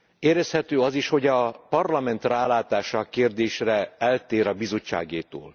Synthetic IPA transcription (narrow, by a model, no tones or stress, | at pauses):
eːɾɛshɛt̪øːɒziʃho̞ɟɒpɒrlɒmɛnt̪raːlaːt̪aːʃɒkeːrd̪eːʃrɛɛlt̪eːɾɒbizo̞t͡ʃːa̰ːɡeːt̪o̰ːl